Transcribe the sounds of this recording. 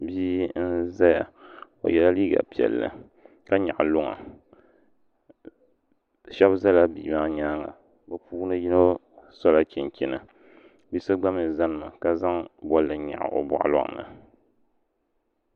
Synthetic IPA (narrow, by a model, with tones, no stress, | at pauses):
biː˦n̩˦za˦ja˨ | o̰˨jɛ˦la˦liː˦ɡa̰˨pi˨ɛ̰˨lːɨ̰˨ | ka˦ɲa̰˨ʔlʊ˦ŋa̰˨ | ʃɛ˦bza˦la˦bi˨ma˦ɲaː˦ŋa̰˨ | bɨ˨puː˦nɨ˦ji˦no˦ | sɔ˦la˦ki˨n˨kʲɪ˦nɨ˨ | bi˦sɨ˦ɡ͡ba˦mɨ˨za˦nɨ˨ma˨ka˦za˦ŋbɔ˦lːɨ˨ɲa̰˨ʔa̰˨ʔo̰˨bʊ̰˨ʔa̰˦lɔ̰˦˨ŋ˨nɨ̰˨